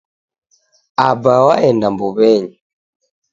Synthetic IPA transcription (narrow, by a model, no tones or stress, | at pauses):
abawaɛndambɔβɛɲɛ